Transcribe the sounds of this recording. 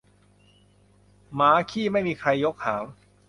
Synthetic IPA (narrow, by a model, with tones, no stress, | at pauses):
maː˩˦kʰiː˥˩ma˥˩jmiː˧kʰɾa˧jːo˦˥k̚haː˩˦m